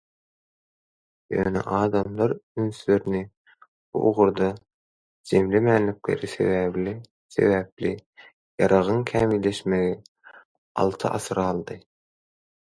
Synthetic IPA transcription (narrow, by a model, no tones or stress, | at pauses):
jø̰ːnḛʔɑːd̪ɑmlˠɑɾynsyløɾini | b̥ṵʔoʁuɾd̪ɑ | d͡ʒemlemæːnlikle̞̰ɾise̞̰βæːβlʲi | se̞̰βæːpli | jɑɾɑʁɯŋkʰæːmilːe̞ʃmeɣi | ɑ̰lˠt̪ʰɯʔɑ̰sɯɾɑlˠd̪ɯ